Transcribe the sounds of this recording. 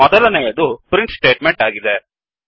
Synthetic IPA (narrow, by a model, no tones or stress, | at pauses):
mɔd̪ɐlɐneːjɐd̪upɾiɳʈsʈeːʈmeɳʈaːɡid̪e